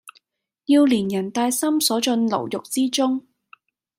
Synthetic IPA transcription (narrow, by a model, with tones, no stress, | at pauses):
ji˧wliː˨˩njɐ˨˩nt̪aː˧jsɐ˥msɔː˨˥t͡sɵ˧nlo̰˨˩wjʊ˨k̚t͡siː˥t͡sʊ˥ŋ